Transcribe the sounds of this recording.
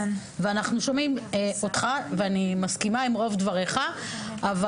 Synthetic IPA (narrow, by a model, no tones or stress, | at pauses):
veanaχnuʃomimeo̞t̪χaveanimaskimaimʁo̞vd̪vaʁe̞χaava